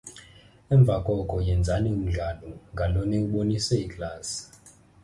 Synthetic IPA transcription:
ɛɱb̪vʱakʼɔkʼɔjɛnd͡zʱanium̩ɮalɔŋɡʱalɔnɛuɓonisɛikʼlaːsi̥

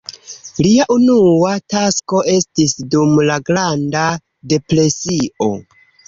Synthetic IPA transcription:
liaʔunuatasko̞ʔe̞stisdumlaɡɾanda | de̞pɾe̞siʔo̞̰

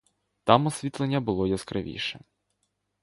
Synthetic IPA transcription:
t̪ɑmɔsʲʋʲit̪lˠenʲːɐbʊlˠɔjɐskɾɪ̰ʋʲḭʃɛ

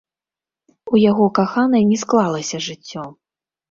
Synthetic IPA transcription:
ujaɣɔkaxanɐjnʲɛsklˠalˠɐsʲɐʐɨt͡sʲːɔ

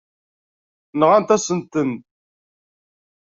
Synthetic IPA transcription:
nʁant̪æsənt̪ən

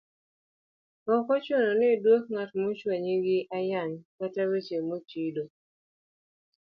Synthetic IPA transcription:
ɔkɔt͡ʃononɪdwok̚ŋatmot͡ʃwaɲiɡɪʔajankataɾet͡ʃemot͡ʃido

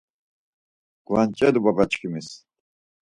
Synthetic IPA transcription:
ɡ̥lant͡ʃʼɛd̪ubabat͡ʃkʰimis

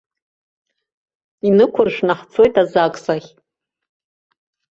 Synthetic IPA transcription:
inɨkʷʰʊrʂnaħt͡sʰo̞jtʼazakʼsaχʲ

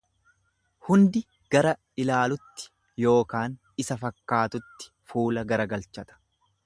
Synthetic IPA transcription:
hʊnd̪ɪ | ɡ̥ɐɾɐ | ɪlaːlʊt̪ːɪ̥ | jo̞ːkaːn | ɪsɐfɐkːaːt̪ʊt̪ːɪ̥fuːlɐɡɐɾɐɡɐlt͡ʃɐt̪ɐ̥

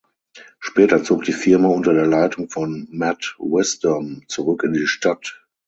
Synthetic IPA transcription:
ʃpɛːtɐt͡soːk̚d̥iːfɪɐmaʊntɐdeːɐlaɪtʊŋfɔnmɛtwɛstɐmt͡suʁʏkɪndiːʃtat

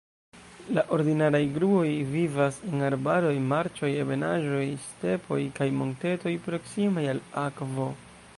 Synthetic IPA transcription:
laʔo̞ɾdinaɾajɡɾuo̞jvivase̞naɾbaɾo̞jmaɾt͡ʃo̞jeve̞naʒo̞jste̞pʰo̞jkajmo̞nte̞to̞jpɾo̞ksimajalakvo̞

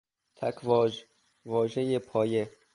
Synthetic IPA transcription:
t̪ʰækʰvɒː | vɒːʒejepʰɒːje

